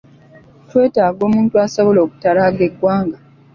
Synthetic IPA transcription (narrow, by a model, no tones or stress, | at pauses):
twe̞ːtaːɡo̞ːmuːntuasoβo̞loːku̥taɾaɡeɡːwaːŋɡa